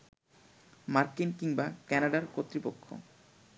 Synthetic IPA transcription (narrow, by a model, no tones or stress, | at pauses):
maɾkinkiŋbakɛnaɖaɾkot̪ːɾipokʰːo̰